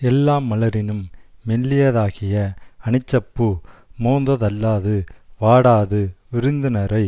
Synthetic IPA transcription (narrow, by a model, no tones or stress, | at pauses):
ɛlːaːmːɐlɐɾɪnɯmːɛlːɪjɐðaːɣɪjɐɐɳɪt͡ʃːɐpːɯmoːnd̪ɐðɐlːaːðɯʋaːɽaːðɯʋɪɾɯnd̪ɯnɐɾɐɪ